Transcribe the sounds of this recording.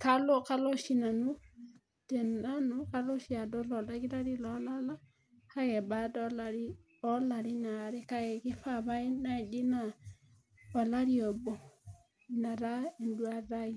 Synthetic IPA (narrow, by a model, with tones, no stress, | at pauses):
ka˦lo˦ka˦lɔ˦ʃi˦na˨nu˦ | tɛ˨na˦nu˦ka˦lo˦ʃi˦a˨dɔ˦lɔ˨la˦ɡi˦ɾa˦ɾi˦lɔ˨˦la˦la˦ | ka˦kɛ˨ba˨dɔ˦la˨ɾi˦ | ɔ˦la˨ɾi˦na˨ɾi˦ka˦ɡɛ˨kɪ˦fa˦˨βa˦i˦na˨d͡ʒi˦na˨ | a˨la˦ɾi˦ɔ˨bɔ˨ | na˨ɾa˦e˨ndu˦a˨ɾa˦i˦